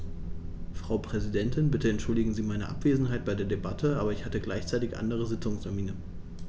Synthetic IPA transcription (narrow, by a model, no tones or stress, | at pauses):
fʁ̥aʊpʁ̥ɛzidɛntʰɪnbɪtəɛntʃʊldɪɡŋ̩ziːmaɪnəʔa̰pv̥eːzn̩ɦaɪt̚b̥aɪdeːɐdebatʰəʔaːbɐɪçhatəɡlaɪçt͡saɪtɪçʔa̰ndəʁ̞əzɪt͡sʊŋstʰɛɐmiːnə